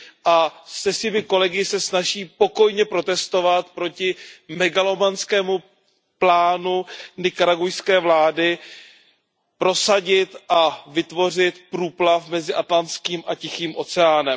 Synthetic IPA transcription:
ʔasɛsɪbɪko̞lɛɡɪsɛsnaʒiːpo̞ko̞jɲɛpɾo̞t̪ɛst̪o̞vat̪pɾo̞cɪmɛɡalo̞manskɛːmu | plaːnunɪkaɾaɡujskɛːvlaːdɪ | pɾo̞saɟɪt̪ʔavɪt̪vo̞r̝ɪt̪pɾuːplafmɛzɪʔat̪lant͡skiːmʔacɪxiːmʔo̞t͡sɛaːnɛm

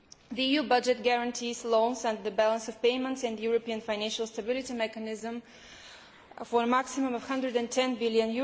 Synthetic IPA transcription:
ðiijubʌd͡ʒɛt̚ɡæɹə̃ntʰizlɔ̃nsʌ̃ndəðəbælˠə̃nsɔv̥peɪmə̃ntsɨ̃ndjʊɹəpiə̃nfãɪnæ̃nʃəlˠstəbɪlˠɪtimɛkənɪzə̃m | fə˞əmaksimə̃mʌv̥hʌ̃ndɹədɨ̃ntʰɛ̃nbɪlˠjə̃nju

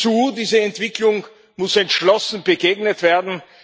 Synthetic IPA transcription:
t͡suːdiːzəɛntv̥ɪklʊŋ | mʊsɛntʃlɔsn̩bəɡeːɡnətv̥eːɐdn̩

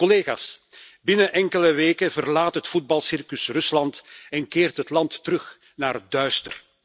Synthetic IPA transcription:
kɔleːɣa̰ːsbɪnəʔɛŋkələʋeːkəvərlaːtɦətfud̚bɑlˠsɪrkəsrɵslɑntɛnkɪːrtɦətlɑntːəɾɵx | naːrdœɥstə̰r

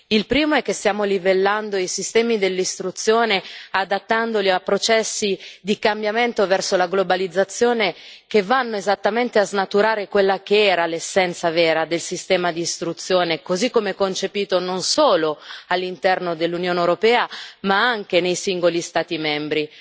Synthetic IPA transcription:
ilpɾiːmoɛkːest̪jaːmolivelːand̪oisist̪ɛːmid̪elːist̪ɾut̪sːjoːnead̪at̪ːand̪oliapːɾot͡ʃɛsːid̪ikambjament̪ovɛrsolaɡlobalid̪zːat̪sːjoːnekevanːoezat̪ːament̪eaznat̪uɾaːɾekwelːakeɛːɾalesːɛnt̪savɛːɾad̪elsist̪ɛːmad̪iːst̪ɾut̪sːjoːnekozikːomeɛkːont͡ʃepiːt̪ononsoːloalːint̪ɛrnod̪elːunjoːnewɾopɛːamaaŋk̟enejsiŋɡolist̪aːt̪imɛmbɾi

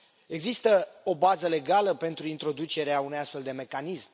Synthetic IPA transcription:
e̞ɡzist̪əo̞bazəle̞ɡaləpe̞nt̪ɾuint̪ɾo̞d̪ut͡ʃe̞ɾeaunujast̪fe̞ld̪e̞me̞kanism

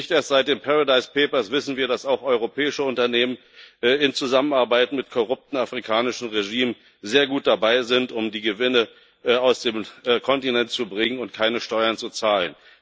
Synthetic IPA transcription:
ɪçtʔeːɐstz̥aɪt̚d̥eːnpʰaʁadaɪspʰeːpɐsv̥ɪsn̩viːɐdasaʊxɔʏʁopʰɛːɪʃəʊntɐneːmən | ʔɪnt͡suzamənaɐbaɪtmɪtkʰoʁʊp̚tn̩afʁ̥ikʰaːnɪʃn̩ʁeʒiːm | zeːɐɡuːt̚d̥abaɪzɪntʊmdiːɡəvɪnə | aʊsd̥eːmːkʰɔntinɛntt͡subʁɪŋənʊntkʰaɪnəʃtɔʏɐnt͡sut͡saːlən

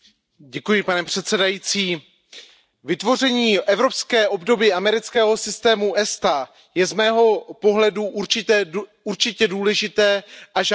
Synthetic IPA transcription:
ɟɛkujɪpanɛpr̥ɛt̪sɛdajiːt͡siː | vɪt̪vo̞rɛɲiːʔɛvɾo̞pskɛːʔo̞bdo̞biːʔamɛɾɪt͡skɛːɦo̞sɪst̪ɛːmuʔɛst̪a | jɛzmɛːɦo̞po̞ɦlɛduʔuɾt͡ʃɪt̪ɛː | uɾt͡ʃɪcɛduːlɛʒɪt̪ɛːʔaʒ

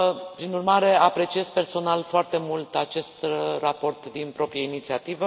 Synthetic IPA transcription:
pɾinurmaɾe̞apɾe̞t͡ʃie̞zpe̞rso̞nalfoart̪e̞mult̪at͡ʃe̞st̪rapo̞rt̪d̪inpɾo̞pɾijainit̪siat̪ivə

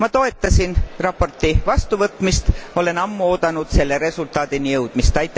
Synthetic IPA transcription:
mɑt̪o̞e̞t̪ːˑɑsinrɑpo̞rt̪ivɑst̪uvɤt̪ˑmist̪o̞le̞nɑmːuo̞ːd̪̥ɑnud̪̥se̞lːeɾe̞sult̪ˑɑːd̪̥inijɤwd̪̥mist̪ɑjt̪ːˑ

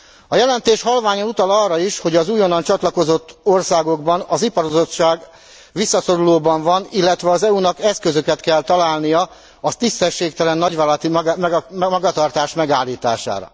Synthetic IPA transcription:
ɒjɛlɛnt̪eːʃhɒlvaːɲonut̪ɒlɒrːɒiʃho̞ɟɒzuːjonːɒnt͡ʃɒt̪lɒko̞zo̞t̪ːo̞rsaːɡo̞ɡbɒnɒzipɒɾozo̞t͡ʃːaːɡ | ʋisːɒso̞ɾuloːbɒɱvɒnilːɛt̪ʋɛɒzɛunɒkɛskø̞zø̞kɛt̪kɛlt̪ɒlaːlnijɒ | ɒt̪ist̪ɛʃːeːkt̪ɛlɛnːɒɟʋlt̪i | mɒɡɒt̪ɒrt̪aːʃmɛɡaːlːiːt̪a̰ːʃa̰ːɾɒ̰

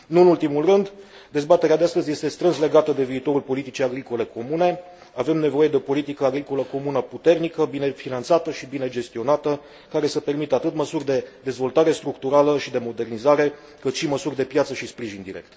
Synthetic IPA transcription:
nuɨnult̪imulrɨnd̪ | d̪e̞zbat̪e̞ɾead̪east̪əzje̞st̪e̞st̪ɾɨnsle̞ɡat̪əd̪e̞viːt̪o̞ɾulpo̞lit̪it͡ʃijaɡɾiko̞le̞ko̞mune̞ | ave̞mne̞vo̞je̞d̪e̞opo̞lit̪ikəaɡɾiko̞ləko̞munəput̪e̞rnikəbine̞finant̪sat̪əʃibine̞d͡ʒe̞st̪io̞nat̪ə | kaɾe̞səpe̞rmit̪əat̪ɨt̪məsurʲd̪e̞d̪e̞zvo̞lt̪aɾe̞st̪ɾukt̪uɾaləʃid̪e̞mo̞d̪e̞rnizaɾe̞ | kɨt̪ʃiməsurʲd̪e̞pjat̪səʃispɾiʒind̪iɾe̞̰k̚t̪

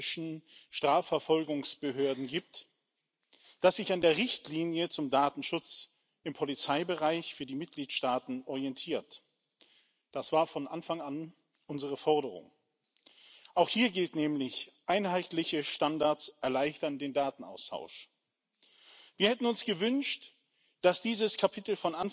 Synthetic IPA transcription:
ʃn̩ʃtʁ̥aːfɛɐfɔlɡʊŋsb̥əɦøːɐdn̩ɡiːp̚t | d̥asz̥ɪçandeːɐʁɪçtliːnjət͡sʊmdaːtn̩ʃʊt͡s | ɪmpʰɔlit͡saɪbəʁaɪçfyːɐdiːmɪt̚ɡ̥liːtʃtaːtn̩ɔʁiɛntʰiːɐt | d̥asv̥aːɐfɔnʔanfaŋan | ʔʊnzəʁəfɔɐdəʁ̞ʊ̰ŋ | ʔaʊxhiːɐɡɪltnɛːmlɪçʔaɪnhaɪtlɪçəʃtandaɐtsʔɛɐlaɪçtɐndeːndaːtn̩ʔa̰ʊstʰa̰ʊʃ | viːɐhɛtn̩ʊnsɡ̥əvʏnʃt | d̥asd̥iːzəskʰapʰɪtl̩fɔnʔan

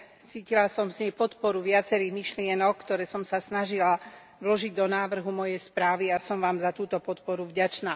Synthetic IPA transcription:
t͡siːcilasɔmsɲɛpɔt̪pɔɾuʋɪat͡sɛɾiːɦmiʃlɪɛnɔk̚kːt̪ɔɾɛːsɔmsasnaʒila | ʋlɔʒiɟ̚d̪ɔnaːʋr̩ɦumɔjɛjspɾaːʋiasɔmʋaːmzat̪uːt̪ɔpɔt̪pɔɾuvɟat͡ʃnaː

